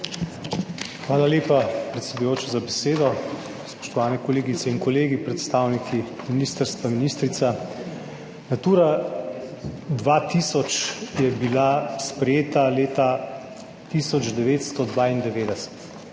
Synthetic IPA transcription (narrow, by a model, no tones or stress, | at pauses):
xʋaːlaleːpapɾɛt̪sɛd̪ujoːt͡ʃɔzabɛseːd̪ɔ | spɔ̥ʃt̪ɔʋaːnɛkɔleːɡit̪sɛinkɔleːɡipɾɛt̪st̪awnikʰi | minist̪əɾst̪ʋaminiːst̪ɾit̪sa | nat̪uːɾa | d̪ʋat̪isɔt͡ʃjɛbilaspɾɛjeːt̪aleːt̪a | t̪isɔd͡ʒd̪ɛʋeːt̪st̪ɔd̪ʋaind̪ɛʋeːd̪ɛsɛ̥t̪